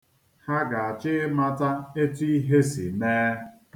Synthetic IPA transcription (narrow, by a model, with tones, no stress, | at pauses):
ha˦ɡa˨a˨t͡ʃɪ˦ɪ˦ma˦ta˦e˦ti˦i˦ɦe˦sḭ˨neː˦